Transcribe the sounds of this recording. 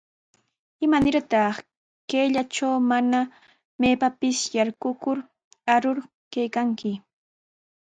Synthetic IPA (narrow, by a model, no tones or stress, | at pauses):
ɪmanɪɾt̪ɑχ | keːʎat͡ʃawmana | meːpapɪsjaɾkʊkʊɾ | aɾʊɾ | kajkaŋkɪ